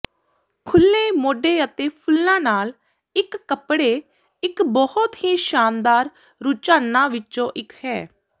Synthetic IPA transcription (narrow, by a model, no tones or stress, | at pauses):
kʰʊlːeːmoːɖeːət̪eːpʰʊlnãːnaːl | ɪkːəpɽeː | ɪkbɔhʊt̪ɦiːʃaːnd̪aːɾ | ɾut͡ʃaːnːãːʋɪt͡ʃõːʔɪkhɛː